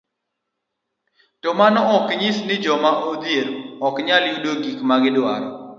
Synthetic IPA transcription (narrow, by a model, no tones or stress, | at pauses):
tɔmanɔɔkɲɪsnɪd͡ʒɔmaʔod̪jeɾɔkɲaljudoɡikmaɡɪdwa̰ɾɔ̰